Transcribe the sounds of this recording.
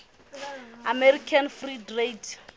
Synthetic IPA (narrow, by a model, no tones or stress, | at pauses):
amɛrikʰanfridred